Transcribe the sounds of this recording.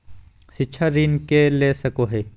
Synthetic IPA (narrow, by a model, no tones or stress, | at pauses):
ʃɪtːʃʰaɾiːnkeleːsɐkoɦeː